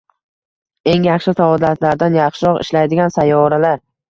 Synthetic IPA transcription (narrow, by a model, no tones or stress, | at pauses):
e̞ŋjaχʃɪfaɒd̪at̪ʰlaɾd̪anjɑχʃɪɾɒqɪ̰ʃlajd̪ɪɡʲansajːɒɾalaɾ